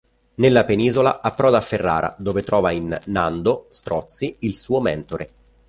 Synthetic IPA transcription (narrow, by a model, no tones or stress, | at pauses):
nelːapeniːzola̰ʔapːɾɔːd̪afːerːa̰ːɾʔa̰d̪oːvet̪ɾɔːvainːand̪ost̪ɾɔt̪sːiilsuːomɛnt̪oɾe